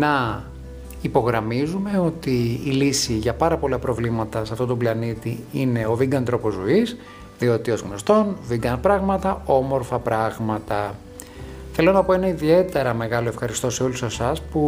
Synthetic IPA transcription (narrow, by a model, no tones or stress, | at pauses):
nɐ | ipo̞ɣɾɐmizume̞o̞t̪iːlisiʝɐpɐɾɐpo̞lɐpɾo̞vlimɐt̪ɐsɐft̪o̞t̪oblɐnit̪iine̞o̞viɡɐnt̪ɾo̞po̞zois | ðio̞t̪io̞zɣno̞st̪o̞nviɡɐnpɾɐɣmɐt̪ɐo̞mo̞ɾfɐpɾɐɣmɐt̪ɐ | θe̞lo̞nɐpo̞e̞nɐiðie̞t̪e̞ɾɐme̞ɣɐlo̞e̞fxɐɾist̪ose̞o̞lusesɐspu